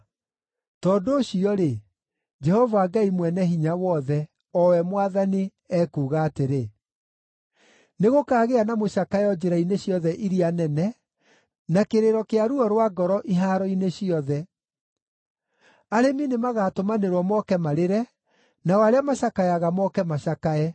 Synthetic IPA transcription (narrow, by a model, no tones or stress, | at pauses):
tɔndoːɕiɔɾe | d͡ʒɛhɔvaːɡaimwɛnɛɦiɲawɔðɛ | ɔwɛmwaðani | ɛːkuːɣaːteɾe | neɣokaːɣeanamoʃakajɔd͡ʒeɾaineɕiɔðɛʔiɾianɛnɛ | nakeɾeɾɔkeaɾuɔɾwaɡɔɾɔʔiɦaːɾɔineɕiɔðɛ | aɾeminemaɣaːtomaneɾwɔmɔkɛmaɾeɾɛ | nawaɾeamaɕakaɛaɣamɔkɛmaɕakaɛ